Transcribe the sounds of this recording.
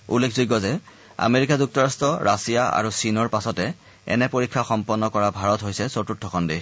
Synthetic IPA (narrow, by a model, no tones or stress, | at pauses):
ṵlːekʰzoɡːɔzɛ | a̰meɹikazuk̚tɔɹastɔɹʔasijaa̰ɹusinɔɹpasɔtɛ | ɛ̰nɛpoɹikʰːaxɔmpɔnːɔkɔɹabʱaɹɔtɦojsɛsotutʰːɔkʰɔndi